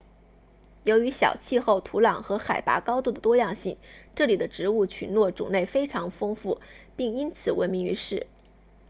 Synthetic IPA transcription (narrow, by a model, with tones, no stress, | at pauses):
jo˧˥ʊy˧˥ɕjɑ̰˨˩ʊt͡ɕʰi˥˧xo˥˩ʊt̪ʰu˧˥lɑ˨˩ŋxɤ˧˥xa˨˩ɪpa̰˧˥kɑ˥ʊt̪u˥˩d̪ə˩t̪wɔ˥jɑ˥˧ŋɕi˥˩ŋʈ͡ʂɤ˥˩li˨˩d̪ə˦ʈ͡ʂɻ̩˧˥u˥˩t͡ɕʰy˧˥nlwɔ˥˩ʈ͡ʂṵ˨˩ŋne˥˩ɪfe˥ɪʈ͡ʂʰɑ˧˥ŋfɤ˥ŋfu˥˩pi˥˩ŋi˥nt͡sʰɹ̩˨˩wə˧˥nmi˧˥ŋy̰˧˥ʂɻ̩˥˩